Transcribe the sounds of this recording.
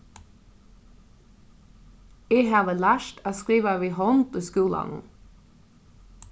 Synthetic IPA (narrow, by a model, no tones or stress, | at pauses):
eːhɑːʋəlæːʃtʰaːskɾiːʋaʋiːhɔnt̪iːskuːlɑ̰nʊ̰n